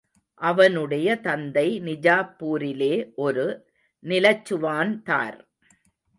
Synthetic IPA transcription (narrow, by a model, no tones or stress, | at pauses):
ʔɐʋɐnɯɽɐjɐt̪ɐnd̪ɐɪnɪd͡ʒaːpːuːɾɪleːʔɔɾɯ | nɪlɐt͡ʃːɯʋaːnt̪a̰ːɾ